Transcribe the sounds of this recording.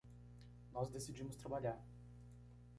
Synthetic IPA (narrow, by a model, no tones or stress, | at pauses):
nɔzd̪esid͡ʒimʊst̪ɾabaʎʲaɾ